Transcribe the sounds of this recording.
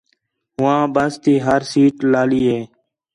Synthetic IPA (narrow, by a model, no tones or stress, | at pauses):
ɦʊʋãːbəst̪iːɦəɾsiːʈlaːliːɦeː